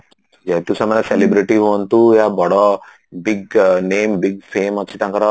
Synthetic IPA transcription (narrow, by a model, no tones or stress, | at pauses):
d͡ʒɛt̪usamanɐselibɾiʈiɦont̪ujabɔɽɔ | biɡneːmbiɡfeːmɔt͡ʃʰit̪ãŋkɐɾɔ